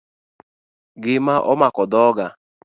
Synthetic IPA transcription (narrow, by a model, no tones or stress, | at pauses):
ɡɪmaʔɔmakɔdɔɔɡa